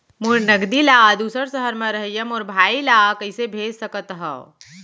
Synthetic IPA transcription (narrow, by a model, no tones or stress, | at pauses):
muɾnɐɡd̪ilaːd̪uːsəɾsəɦəɾmɐ̃ɾɐɦjɐmoːɾbʱaːilaːkɐɪsebʱeːd͡ʒsɐkət̪ɦɐ̰